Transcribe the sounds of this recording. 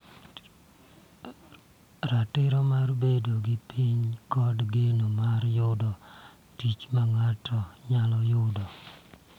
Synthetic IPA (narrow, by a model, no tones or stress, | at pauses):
ɾatɪɾɔmarbedoɡɪpʰiɲkɔdɡenomaɾjʊdɔ | tit͡ʃmaŋatʰɔɲalɔjʊdɔ